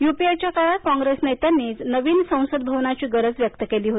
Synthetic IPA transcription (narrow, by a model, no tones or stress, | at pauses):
jupiat͡ɕjakaɭakɔ̃ŋɡɾesnet̪anːiːt͡snəʋiːnsə̃w̃səd̪̚bʱəʋnat͡ɕiːɡəɾəd͡zʋjək̚t̪əkeliːɦot̪i